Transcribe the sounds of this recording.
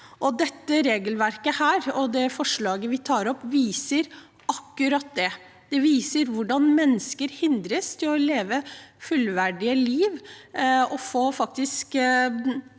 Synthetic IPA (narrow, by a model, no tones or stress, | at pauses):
ʔɔd̪ɛt̪ːəɾeːɡəlʋæɾkəhæːɾɔd̪ɛfɔʂɭɑːɡəʋɪt̪ʰɑːɾɔpːʋiːsəɾ | ɑkːʉɾɑt̪̚d̪ɛ | d̪̥ɛʋiːsəɾʋʊɖɑnmɛnːəskəɾhɪnd̪ɾəst̪ʰɪlɔleːʋəfʉlʋæɖɪəliːʋ | ɔfoːfɑk̚t̪ɪsk